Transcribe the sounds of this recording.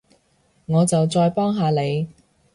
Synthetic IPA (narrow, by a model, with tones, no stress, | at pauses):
ŋɔː˨˧t͡sɐ˨wt͡sɔː˧jpɔː˥ŋɦaː˨˧le˨˧j